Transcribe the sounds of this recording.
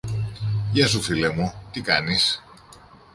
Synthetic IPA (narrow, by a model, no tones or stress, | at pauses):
jɐsufilemut̪ikɐnis